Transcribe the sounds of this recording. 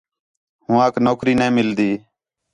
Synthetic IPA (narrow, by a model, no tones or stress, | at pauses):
hũːãːknoːkɾiːnɛ̃ːmɪld̪iː